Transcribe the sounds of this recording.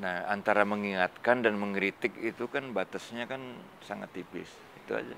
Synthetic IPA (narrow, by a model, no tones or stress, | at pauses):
naha̰nt̪aɾaməŋiŋat̪̚kandanməŋɾit̪ɪk̚it̪ukanbat̪asɲakan | saŋat̪ːipɪ̰s | it̪ua̰d͡ʒa̰